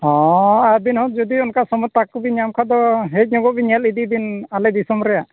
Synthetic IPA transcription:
ɔ̃aɾbinhɔt̪̚d͡ʒɔd̪iɔnkasɔmɔt̪ːakːɔbiɲamkʰad̪ɔɦɛt̚ɲɔɡɔʔbiɲɛlid̪id̪inalɛd̪isɔmɔɾɛjaʔ

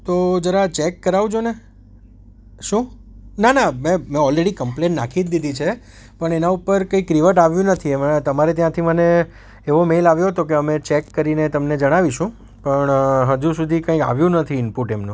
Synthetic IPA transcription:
t̪od͡ʒəɾat͡ʃekːəɾaʋud͡ʒone | ʃũ | nanamẽmẽɔlɾeɽikəmplẽnːakʰit̪d̪id̪ʱit͡ʃʰe | pəɳenaupəɾkəikːɾiʋəʈaʋjũnət̪ʰiemət̪əmaɾet̪jãt̪ʰiməne | eʋomelaʋjoɦət̪ok̬eəmet͡ʃekːəɾinet̪əmned͡ʒəɽ̃aʋiʃũ | pəɳɦəd͡ʒũsud̪ʱikə̃ika̰ʋjũnət̪ʰiɪnpuʈemnũ

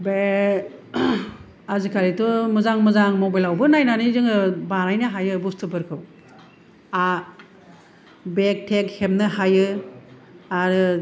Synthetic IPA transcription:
be | azikʰaɾitɔmɯzaŋmɯzaŋmɔbajlawbɯnajnanizɯŋɯbaɾajnɯɦajɯbustʰɯbɯɾkʰɯw | a | bek̚tʰek̚hemnɯhajɯ | aɾɯ

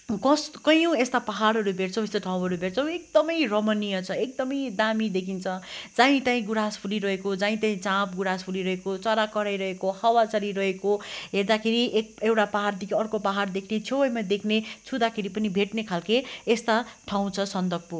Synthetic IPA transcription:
kʌskʌjũest̪apaɦaɽɦʌɾubʱeʈt͡sʰʌw̃est̪oʈʰãw̃ɦʌɾubʱeʈt͡sʰʌw̃ek̚d̪ʌmʌjrʌmʌnijʌt͡sʰʌek̚d̪ʌmʌjd̪amid̪ekʰint͡sʰʌd͡zãĩt̪aĩɡuɾaspʰuliɾʌɦekod͡zãĩt̪aĩt͡sãp̚ɡuɽaspʰuliɾʌɦekot͡sʌɾakʌɾajɾʌɦekohʌwat͡sʌɾiɾʌɦekoɦerd̪akʰeɾiʔek̚ewʈapaɦard̪ikʰiʌrkopaɦard̪ekʰnet͡sʰowʌjmad̪ekʰnet͡sʰud̪akʰeɾipʌnibʱeʈnekʰalkeest̪aʈʰaw̃t͡sʰʌsʌnd̪ʌɡ̚pu

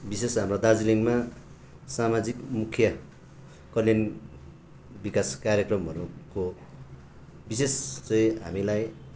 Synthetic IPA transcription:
bisesɦamrod̪ad͡ziliŋma | samad͡zikmukʰjʌ | kʌljʌn | bikaskaɾjʌkrʌmɦʌɾuko | bisest͡sʌj̃ɦa̰milaj

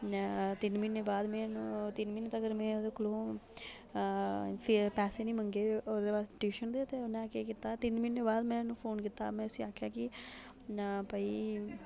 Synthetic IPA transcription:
t̪ɪnmɪnːeːbaːd̪mɛ̃ːnũːt̪ɪnmɪnt̪ːəɡəɾmɛ̃ːod̪eːkloː | pʰpɛːseːnĩːməŋɡeːoːd̪eːbaːsʈiːʃənd̪eːt̪eːonɛ̃keːkɪt̪aːt̪ɪnmɪnːeːbaːd̪mɛ̃ːnũːpʰoːnkɪt̪ːa̰ːmɛ̃ːʊsiaːkʰjaːkɪ | pəiː

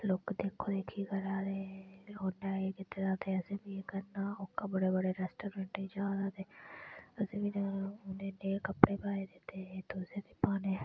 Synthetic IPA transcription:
lokd̪eːkʰːoːd̪eːkʰiːkəɾaːɾeːloːnaːeːkɪt̪ːɾaːt̪eːəsẽːbiːekəɾnaːʊkːaːbəɽeːbəɽeːɾɛːsʈoːɾeɳʈiːd͡ʒaːd̪aːt̪eːəsẽːbinaʊnẽːneːkəpɽeːpaːeːd̪ɪt̪ːeːeːt̪oːset̪iːpaːneː

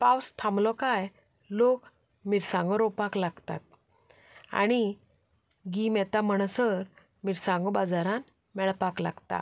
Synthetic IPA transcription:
pawst̪ʰãmlɔkaj | lok | miɾsãŋɡɔɾɔpaklaɡt̪a̰t̪̚ | a̰ɽ̃i | ɡimɛt̪aməɳ̃səɾ | miɾsãŋɡɔbad͡zaɾan | mɛɭpakla̰ɡt̪a̰

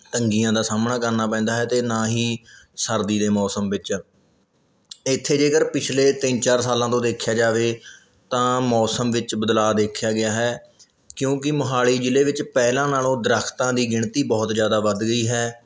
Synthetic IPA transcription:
t̪əŋɡijãːd̪aːsaːmnaːkəɾnaːpɛ̃ːnd̪aːɦɛːt̪eːnãːɦiːsəɾd̪iːd̪eːmɔːsəmʋɪt͡ʃ | ɪt̪ʰːeːd͡ʒeːkəɾpɪt͡ʃʰleːt̪ɪnt͡ʃaːɾsaːlãːt̪õːd̪eːkʰjaːd͡ʒaːʋeː | t̪ãːmɔːsəmʋɪt͡ʃbəd̪laːd̪eːkʰjaːɡɪjaːɦɛː | kjõːk̬ɪmʊɦaːɭiːd͡ʒɪleːʋɪt͡ʃpɛːlãːnaːlõːd̪ɾaːkʰt̪ãːd̪iːɡɪɳt̪iːbɔːt̪zjaːd̪aːʋəd̪ɡəiːɦɛː

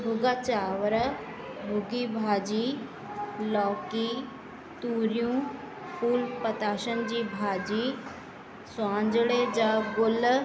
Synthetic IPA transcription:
bʱʊɡat͡ʃaːʋɾə | bʱuɡiːbʱaːd͡ʑiː | lɔːkiː | t̪uːɾjũː | puːlpət̪aːʃənd͡ʑiːbʱaːd͡ʑiː | swãːnd͡ʒɽed͡ʒaɡʊl

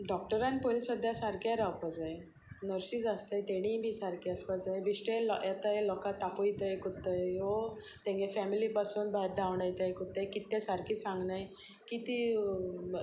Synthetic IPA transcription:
ɖɔk̚ʈəɾãnpojlsəd̪ʱːjasaɾkjaɾawpad͡za | nəɾsiːsaslajt̪eɽ̃ĩːbʱiːsaɾkiaspad͡zajbiɕʈeljat̪aelɔkat̪ːapojt̪ajkut̪ːəjɦo | t̪ɛ̃ŋɡefɛmilipasuːnbʱat̪̚d̪awɳajt̪ajkut̪ːekit̪ːẽsaɾkiːsãŋɡnaj | kit̪i

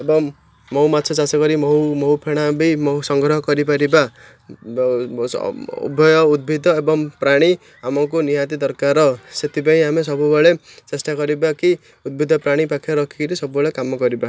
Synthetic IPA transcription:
ebʌŋː | ʌwmat͡sʰʌt͡sasʌɡʌɾimʌwmʌɦupʰeɽ̃abʌjmʌsʌŋɡɾʌɦʌkʌɾipaɾiba | ṵbʱʌjʌud̪̚bʱid̪ʱʌebʌŋpraɽ̃i | amakonijat̪id̪ʌrkarʌset̪ibaĩɦamesʌbubaɭe | t͡sesʈ̪aɡʌɾibaki | ud̪̚bʱid̪ʱːʌpraɽ̃ipakʰeɾʌkʰikɾisʌbubaɭekamːaɡʌɾiba

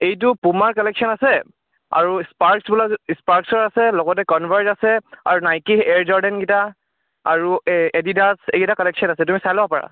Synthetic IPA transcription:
ejt̬ʊpumaɹkɔlɛksɔnasɛ | a̰ɹuspaɹksbulaspaɹksɔɹasɛlɔɡɔt̬ɛkɔnbʱaɹzasɛa̰ɹunajkiɛɹd͡ʒɔɹdɛnɡita | a̰ɹuedidasḛɡitakɔlɛksɔnasɛtumisajlɔɦɔpaɹa̰

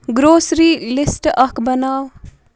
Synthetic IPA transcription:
ɡɾoːsɾiːlisʈʌkbʌnaːw

